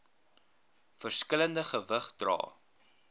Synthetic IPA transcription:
fərskələndəχəvəχdrɑ̰ː

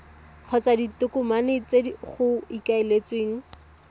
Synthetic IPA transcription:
q͡χʰɔt͡saditʊkʊmanɪt͡seχʊikaelet͡sweːŋ̩

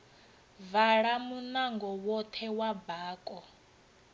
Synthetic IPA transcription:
vaɺamunaŋɡɔwɔt̪ʰɛwabaːkʼɔ

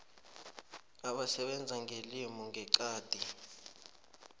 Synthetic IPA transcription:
aɓasɛɓɛnd͡zʱaŋʱelimɔŋɡʱɛǃaːd̥ʱi

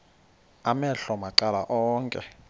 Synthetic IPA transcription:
amɛɬɔmaǃala̰ʔɔːŋkʼɛ̰

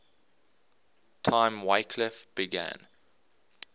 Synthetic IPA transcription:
tʰãɪ̃mweɪkʰlɪfb̥ɪɡæ̰̃n

